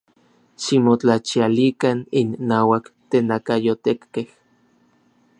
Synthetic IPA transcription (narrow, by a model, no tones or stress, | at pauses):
ʃimot͡ɬat͡ʃialikaninːaːwakt̪enakajot̪ekːeh